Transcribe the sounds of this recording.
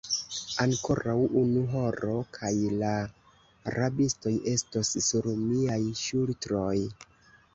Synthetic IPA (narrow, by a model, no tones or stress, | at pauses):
aŋko̞ɾawʔunuɦo̞ɾo̞kʰajla | ɾabisto̞jʔe̞stosːuɾmiajʃultɾo̞j